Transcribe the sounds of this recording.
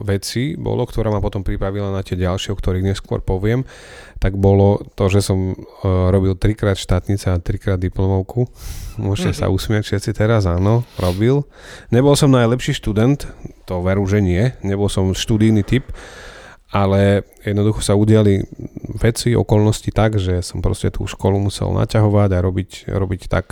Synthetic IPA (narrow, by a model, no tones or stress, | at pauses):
ʋɛt͡sibɔ̰lɔkt̪ɔɾaːmapɔt̪ɔmpɾipɾaʋilanat̪ɪɛɟalʃɪɛɔkt̪ɔɾiːɣɲɛskʊɔ̰ɾpɔʋɪɛm | t̪aɡbɔlɔt̪ɔʒɛsɔmɾɔbilt̪ɾikɾaːt̪ʃt̪aːt̪ɲit͡sɛat̪ɾikɾaːd̪ːiplɔmɔʊkumʊɔʒcɛsa̰usmɪacʃɛt̪t͡sit̪ɛɾazaːnɔɾɔbil | ɲɛbɔlsɔmnajlɛpʃiːʃt̪ud̪ɛnt̪ːɔʋɛɾuʒɛɲɪɛɲɛbɔlsɔmʃt̪ud̪ijnit̪ip | alɛjɛd̪nɔd̪uxɔ̥sauɟɪaliʋɛt͡siɔ̰kɔlnɔscit̪aɡʒɛsɔmpɾɔ̰scɛt̪ʰṵːʃkɔlumusɛ̰lna̰caɦɔʋaɟaɾɔbicɾɔbict̪a̰k